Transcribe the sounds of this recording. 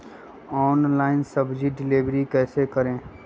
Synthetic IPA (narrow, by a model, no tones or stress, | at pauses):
ɔːnlaːɪnsəbd͡ʒiɖɪleʋɾikɛːsekəɾẽː